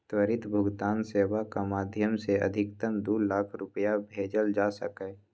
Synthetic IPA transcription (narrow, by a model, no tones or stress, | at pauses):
t̪wəɾɪt̪bʱʊɡt̪aːnseːwakamaːd̪ʱjəmseə̰d̪ʱɪkt̪əmd̪ulaːkʰɾʊpəjabʱeːd͡ʒəld͡ʒasə̰kɛ